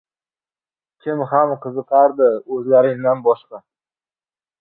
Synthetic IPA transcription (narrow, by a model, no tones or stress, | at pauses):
kʲʰɪmhamqʰɨzɨqʰɑɾd̪ɪɵzlaɾɪŋd̪anbɒʃqɑ